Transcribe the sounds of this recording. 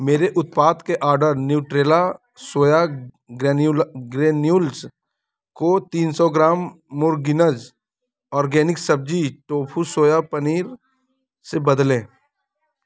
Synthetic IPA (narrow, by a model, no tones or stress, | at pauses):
meːɾeʔʊt̪̚paːt̪keʔaːɾɖəɾnjuːʈɾeːla | soːja | ɡɾeːnulɡɾeːnjuːls | kot̪iːnsɔɡɾaːmːʊɾɡɪnəd͡ʒ | ɔːɾɡeːnɪksəb̚d͡ʒiʈoːpʰusoːjapəniːɾ | sebəd̪lẽː